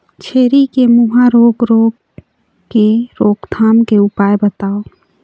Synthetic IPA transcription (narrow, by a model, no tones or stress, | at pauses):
t͡ʃʰeːɾikemuɦaɾoːɡɾoːɡ | keɾoːɡt̪ʰaːmkeʊpaːjbət̪aːo